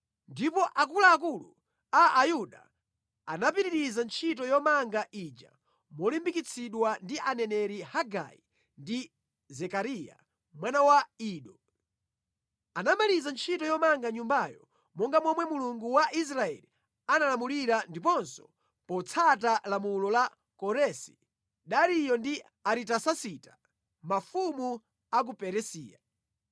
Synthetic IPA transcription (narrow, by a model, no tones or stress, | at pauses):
ndipɔʔakulaːk̬ulu | aːjuɗa̰ | anap̬iɾiɾizant͡ʃʰitɔjɔmaŋɡaʔid͡ʒa̰ | mɔlimbikit͡sʰiɗwandiʔanɛnɛɾihaɡa̰i | ndi | zɛkaɾija̰ | mwanawaiːɗɔ | anamalizant͡ʃʰitɔjɔmaŋɡaɲumbajɔ̰ | mɔŋɡamɔmwɛmuluŋɡuwaʔis̬ɾaɛ̰li | analamuliɾandipɔnsɔ̥ | pɔt͡sʰatalamulɔla | kɔɾɛsi̥ | ɗaɾijɔndi | aɾitasasitḁ | mafumu | ak̬upɛɾɛsiːja